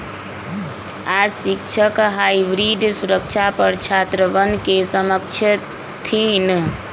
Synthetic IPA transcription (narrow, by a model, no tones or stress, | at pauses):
asikt͡ʃʰəkɦaiʋɾid̪ʱsuɾək̚t͡ʃʰapəɾt͡ʃʰat̪ɾəʋənkesəməkt͡ʃʰə | t̪ʰin